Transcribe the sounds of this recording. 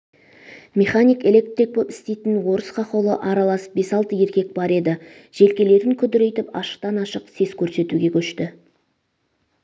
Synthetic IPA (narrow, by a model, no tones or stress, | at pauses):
mʲeχanʲijke̞lʲe̞k̚t̪ɾik̚bopɪ̥st̪e̞jt̪ɪnwo̞ɾəsqʰɑqo̞lˠə̰ʔɑɾɑlˠɑsə̥p̚be̞sɑlˠt̪əje̞ɾkʲe̞k̚bɑɾe̞d̪ɪ | ʒ̥e̞lkʲe̞le̞ɾɪŋkʲʰʏd̪ɪɾe̞jt̪ɪpɑ̰ʃə̥qt̪ɑnɑʃəqse̞z̥kʲʰɵɾse̞t̪uɡʲe̞kʲʰɵʃt̪ɪ